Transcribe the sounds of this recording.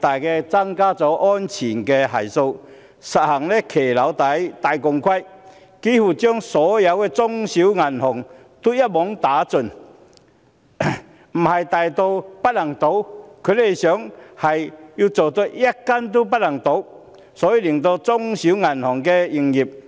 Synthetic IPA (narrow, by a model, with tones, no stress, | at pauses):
t̪a˨˩jke˧t͡sa˧ŋkaː˦t͡sɔ˨˧˦ʔɔ˦nt͡ɕʰi˨˩nke˧ɦa˨˩jso˧ | sa˨t̚ha˨˩ŋle˦kʰe˨˩la˨˦wt̪a˨˦jt̪a˨˩jkɔ˨˧ŋkʰwa˦˥j | ki˦hu˨˩t͡ɕjɔ˥ŋsɔ˨˦ja˧we˧t͡sɔ˧ŋɕi˨˦wŋa˨˩nhɔ˨˩ŋ | t̪u˦ja˦˥t̚mɔ˨˦ŋt̪aː˨˦t͡sʊ˨˩n | m̩˨˩ha˨jt̪a˨jt̪o˧wpa˦˥t̚la˨˩ŋt̪o˨˦wkʰu˨˥le˨˩ɕjɔ˨˦ŋha˨˩jiu˧t͡so˨˩t̪o˧ʔja˦˥kːa˦nt̪̬u˦p̬a˦t̚la˨˩ŋt̪o˨˦w | sɔ˨˦i˧li˨˩ŋt̪o˧t͡sɔ˧ŋɕi˨˦ŋa˨˩nhɔ˨˩ŋke˧i˧ŋji˨˩p̚